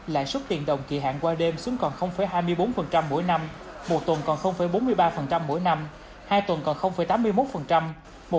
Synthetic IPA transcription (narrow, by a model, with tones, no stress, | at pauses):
la̰ː˧˨jswə˦˥t̚t̪ḭ˧˨ənɗə˨˩wŋ͡mki˨˧˩əɦa̰ː˧˨nkwaː˧ɗe˧msu˨˦ŋkɔ˨˩nxə˧wŋ͡mfə˧˩˦jɦaː˧jmɨ˧əjɓo˨˦nfə˨˩nt͡ɕa˧mːo̰˧˥jna˧m | mo˨˩t̚t̪wə˨˩nkɔ˨˩nxə˧wŋ͡mfə˨˦jɓo˨˦nmɨ˧əjɓaː˧fə˨˩nt͡ɕa˧mːo̰˧˥jna˧m | haː˧jt̪wə˨˩nkɔ˨˩nxə˧wŋ͡mfə˨˦jt̪aː˨˦mːɨ˧əjmo˦˥t̚fə˨˩nt͡ɕa˧m | mo˨˩